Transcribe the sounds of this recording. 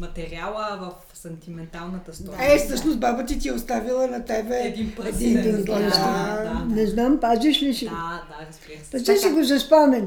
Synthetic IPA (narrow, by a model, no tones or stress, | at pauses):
mɐt̪ɛɾialˠəvɐf | sɛnt̪imɛnt̪alˠnət̪əsɛfsɤʃnosbabət̪̬it̪iɛʊst̪avilˠənɐt̪ɛbɛd̪inɛd̪ind̪inɡazanɛznampaziʃlisi | p̪ɐsɛsiɡozɐspanɛn